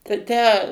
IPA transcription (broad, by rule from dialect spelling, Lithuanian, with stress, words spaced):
tɐɪ ˈtʲæː